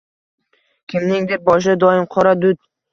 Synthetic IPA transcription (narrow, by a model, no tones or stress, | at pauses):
kʲʰɪmnɪŋd̪ɪp̚bɒʃ̬ɪd̪ɒɪmqʰɒɾad̪ʊd̪̚